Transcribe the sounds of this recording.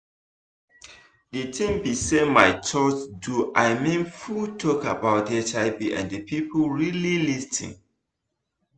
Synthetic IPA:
dətʰĩmbisemaɪt͡ʃɔt͡ʃduʔaɪmĩnfultʰɔkabaʊtɛt͡ʃaɪbiʔã̰ndəpʰipolɹililistʰḭ̃ŋ

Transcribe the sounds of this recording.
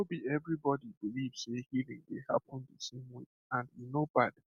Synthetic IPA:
obiɛvɹibɔdibiliv̥sehiɹɪ̰̃ŋdeha̰pɔ̃ndesẽmwe | ãnjinob̥ad

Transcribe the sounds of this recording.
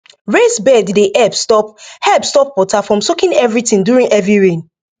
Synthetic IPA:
ɹesbɛdideʔɛbstɔp̚hɛbstɔpwɔtafɹɔ̃msɔkĩnɛvɹitĩŋduɹĩŋɛvɹiɹẽn

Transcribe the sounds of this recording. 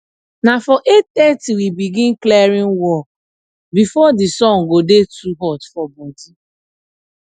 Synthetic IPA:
nafɔʔettɛtiwibiɡĩnklɛɾĩnwɔ | bifɔdisɔ̃ŋ̩ɡodetʰuɦɔtfɔbɔ̃nti

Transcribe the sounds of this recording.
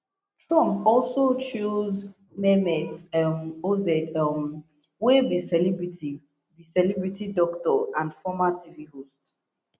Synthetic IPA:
tʰɹɔ̃mɔlsot͡ʃuz | mɛmɛtmozɛdm | webisɛlibɹiti | bisɛlɛbɹitidɔktɔãndfɔmatʰiviɦost

